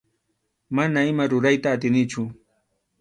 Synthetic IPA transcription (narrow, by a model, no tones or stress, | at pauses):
manaɪmaɾʊɾajt̪aːt̪ɪnɪt͡ʃʊ